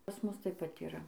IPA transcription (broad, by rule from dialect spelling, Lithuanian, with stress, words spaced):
pɐs ˈmʊs ˈtɐɪp pɐt ɪˈrɐ